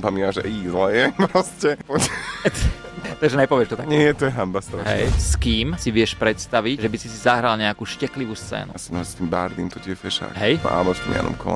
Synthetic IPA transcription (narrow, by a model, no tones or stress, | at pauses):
pamiʋaʒɛizlɛjɛpɾɔscɛpɔt̪ | t̪aɡʒɛnajpɔʋɪɛʃt̪ɔt̪akɲɪɛt̪ɔjɛɦambast̪ɦɛ̰jskiːmsiʋɪɛʃpɾɛt̪st̪aʋicʒɛbisisizaɦɾalɲɛakuːʃcɛkliʋuːst͡sɛ̰ːnuasinɔɦɛsst̪iːmba̰ɾd̪iːmt̪ɔciɛfɛʃa̰ɦɛj̰a̰mɔft̪ɔ̰mja̰nɔ̰mkʰɔ̰l̰